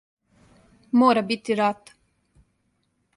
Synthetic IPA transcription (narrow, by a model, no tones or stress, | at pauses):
moːɾabit̪ːiɾat̪